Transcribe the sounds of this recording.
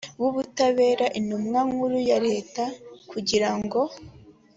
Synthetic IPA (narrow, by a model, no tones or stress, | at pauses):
βuβutaβe̞ːɾaʔinumŋaŋuɾujaɾe̞ːtakuɟiɾaŋɡo̞